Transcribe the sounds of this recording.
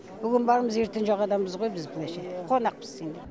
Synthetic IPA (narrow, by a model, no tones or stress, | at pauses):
bʏɡʲɪnbɑɾməze̞ɾt̪ɪnʒoʁɑd̪ɑməzʁo̞jbɪzbɪleʃeqʰonɑq̚pə̥z̥send̪e